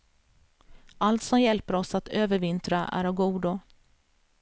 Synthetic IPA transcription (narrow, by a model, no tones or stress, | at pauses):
ʔalt̪sɔmjɛlpəɾɔsat̪øːvəɾvɪnt̪ɾaʔæ̰ɾɔɡuːd̪ʊ